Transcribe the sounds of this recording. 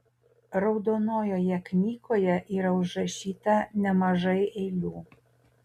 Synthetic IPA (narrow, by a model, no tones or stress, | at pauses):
ɾɒʊd̪oːnoːjoːjɛknʲiːkoːjɛʔiːɾɐʊʒɾɐʃʲiːt̪ɐnʲɛmɐʒɐɪʔɛɪlʲuː